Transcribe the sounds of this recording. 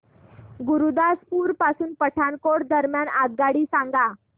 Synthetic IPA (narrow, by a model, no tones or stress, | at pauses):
ɡuɾud̪aspuːɾpasuːnpəʈʰankoɽd̪əɾmjanaɡ̪ɡaɽiːsaŋɡa